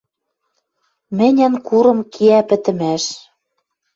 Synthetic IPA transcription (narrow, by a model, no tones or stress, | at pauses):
mɘ̆nʲæ̆nkuɾɤ̆mkʰiæpɘ̆t̪ɘ̆mæʃ